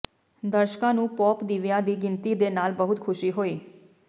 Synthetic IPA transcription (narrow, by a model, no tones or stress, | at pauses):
d̪əɾʃkãːnũːpɔːpd̪iʋjaːd̪iːɡɪnt̪iːd̪eːnaːlbəɦʊt̪kʰʊʃiːɦoːiː